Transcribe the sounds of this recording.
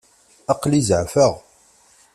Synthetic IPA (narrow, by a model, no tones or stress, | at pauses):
ɑqlizəʕfəʁ